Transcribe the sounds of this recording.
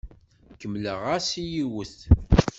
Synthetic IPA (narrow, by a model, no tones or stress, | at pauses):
kəmːləʁasijiwəθ